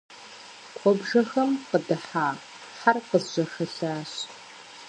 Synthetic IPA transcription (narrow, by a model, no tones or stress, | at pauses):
qʷʰɔbʐɐxɐmqədɨħaː | ħarqəzʒʷɐxɐɬaːɕ